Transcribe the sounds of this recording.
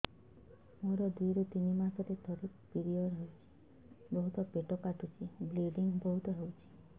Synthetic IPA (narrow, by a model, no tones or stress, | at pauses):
moɾɔd̪wiɾɔt̪inimasɔɾet̪ʰɔɾikpiɾijɔɾɦewt͡ʃʰi̥ | bɔɦut̪ɔpeʈɔkaʈut͡ʃʰibliɖiŋbɔɦut̪ɔɦewt͡ʃʰi̥